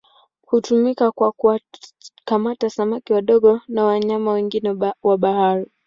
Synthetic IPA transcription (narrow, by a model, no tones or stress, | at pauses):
hutumikakwakuwakamatasamakiwaɗɔɠɔnawaɲamawɛŋɡinɛwaɓahaɾi